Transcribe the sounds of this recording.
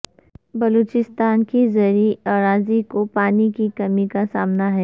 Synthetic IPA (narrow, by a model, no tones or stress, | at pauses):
bɐloːt͡ʃɪst̪aːnkizɐɾiaːɾaːzikopaːnikikɐmikasaːmnaɦɛː